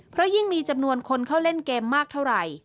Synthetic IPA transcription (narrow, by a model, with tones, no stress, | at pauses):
pʰɾɔ˦˥ji˥˩ŋmiː˧t͡ɕa˧mnu˧ənkʰo˧nkʰa˥˩wle˥˩nkeː˧mːaː˥˩k̚t̪ʰa˥˩wɾa˧j